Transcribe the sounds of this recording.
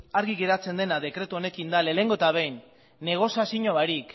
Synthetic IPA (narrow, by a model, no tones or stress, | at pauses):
aɾɣiɣe̞ɾat͡se̞nd̪e̞naðe̞kɾe̞t̪uo̞ne̞kind̪ale̞le̞ŋɡot̪aβ̞ejnː | e̞ɣ̞o̞siasiɲoβaɾik